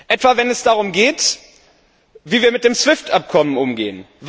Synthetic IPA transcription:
ʔɛtv̥avɛnɛsd̥aʁʊmɡeːt | viːviːɐmɪt̚d̥eːmsv̥ɪftʔap̚kʰɔmənʊmɡḛːən | v

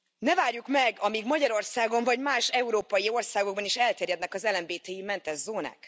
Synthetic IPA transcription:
nɛvaːrjukmɛɡɒmiɡmɒɟɒɾo̞rsaːɡo̞ɱvɒɟmaːʃɛuɾoːpɒjio̞rsaːɡoɡ̚bɒniʃɛlt̪ɛːɾjɛd̪nɛkɒzɛlɛmbeːt̪ɛjimɛnt̪ɛzzːoːna̰ːk

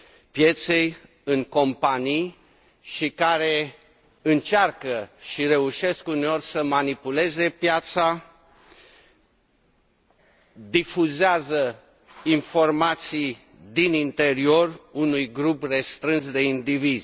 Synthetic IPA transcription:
pje̞t̪sej | ɨŋko̞mpanij | ʃikaɾe̞ | ɨnt͡ʃarkəʃiɾe̞uʃe̞skuneo̞rʲsəmanipule̞ze̞pjat̪sa | d̪ifuzeazə | info̞rmat̪sij | d̪inint̪e̞ɾio̞runujɡɾupre̞st̪ɾɨnsd̪e̞ind̪iviz

